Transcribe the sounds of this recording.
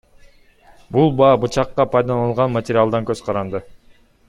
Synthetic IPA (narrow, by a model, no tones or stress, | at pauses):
bulˠbɑːbut͡ʃɑqːɑpʰɑjd̪ɑnɑlˠʁɑnmat̪ʲɪɾʲɪalˠd̪ɑŋkøzqʰɑɾɑnd̪ɯ